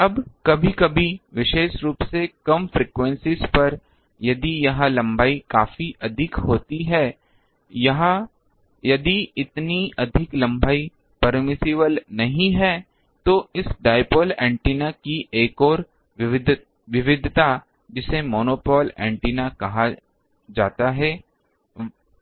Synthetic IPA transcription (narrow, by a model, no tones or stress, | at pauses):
ɐbkɐbʱikɐbʱiʋɪʃeːʃɾuːpsekɐmfɾiːkwɛ̃nsɪzpɐɾ | jɐd̪ijɐɦãlɐ̃mbaːikaːfiʔɐd̪ʱɪkɦoːt̪iɦɛː | jɐɦã | jɐd̪iɪt̪niɐd̪ʱɪklɐ̃mbaːi | pɐɾmɪsɪβəlnɐɦĩɦɛː | t̪oɪsɖaːɪpoːlɛ̃ːɳʈiːnakiʔeːkɔːɾ | d̪ | ʋɪʋɪd̪ʱt̪a | d͡ʒɪsemɔːnoːpɔːlɛ̰̃ːɳʈiːnakɐɦa | d͡ʒaːt̪aɦɛː